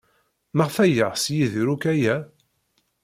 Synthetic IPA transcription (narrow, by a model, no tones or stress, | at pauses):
məʁfæjəʁsjiðɾukæjæ